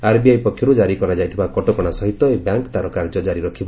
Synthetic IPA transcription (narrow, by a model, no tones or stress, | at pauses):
aɾbiajpɔkʰjɔɾud͡ʒaɾikɔɾad͡ʒajt̪ʰibakɔʈɔkɔɽ̃asɔɦit̪ɔebjaŋkt̪aɾɔkaɾd͡ʒɔd͡ʒaɾiɾɔkʰiba